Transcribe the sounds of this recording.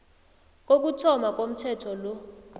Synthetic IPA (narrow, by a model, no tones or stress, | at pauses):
k̬ʼok̬utʰɔmak̬ʼom̩tʰɛtʰɔlɔ